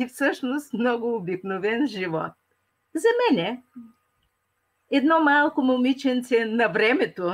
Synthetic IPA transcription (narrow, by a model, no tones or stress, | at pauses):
ifsɤʃnost̪mnɔɡʊːbiknovɛnʒivɔ̰t̪̚ | zɐmɛnʲɛ | ɛd̪nɔmalˠkomomit͡ʃɛnt̪sɛnɐvɾɛmɛt̪o